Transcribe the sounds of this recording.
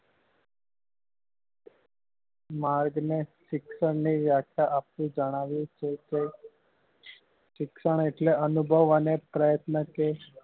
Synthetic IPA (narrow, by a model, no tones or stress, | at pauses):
maɾɡneʃikʂəɳniʋjakʰjaʔaplĩd͡ʒəɽ̃aʋit͡ʃee | ɕikʂəɳ̃eʈleənubʱəʋənepɾəjət̪nəke